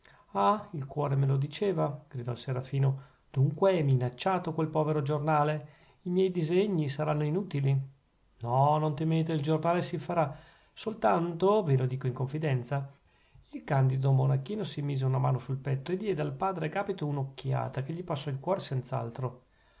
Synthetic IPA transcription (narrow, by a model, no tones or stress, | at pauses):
ailkwɔːɾemelod̪it͡ʃeːvaɡ̥ɾid̪ɔlseɾafiːno | d̪̥uŋkweɛminat͡ʃːaːt̪okwelpɔːveɾod͡ʒornaːle | imjɛjd̪izeɲːisaɾanːoinuːt̪ili | nɔnont̪emeːt̪eild͡ʒornaːlesifaɾa | solt̪ant̪ovilod̪iːkoiŋkoɱfid̪ɛnt̪sa | ilkand̪id̪omonakːiːnosimiːzeunamaːnosulpɛt̪ːoed̪ːjɛːd̪ealpaːd̪ɾeɡaːpit̪ounokːja̰ːt̪akeʎːipasːɔilkwɔːɾesent̪saa̰lt̪ɾo